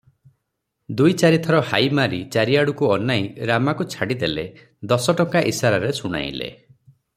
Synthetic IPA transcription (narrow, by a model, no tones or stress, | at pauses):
d̪ujt͡ʃaɾit̪ʰɔɾɔhajmaɾit͡ʃaɾiaɽukuɔnajɾamakut͡ʃʰaɽid̪elḛ | d̪ɔsɔʈɔŋkaʔisaɾaɾesuɽ̃a̰j̰lḛ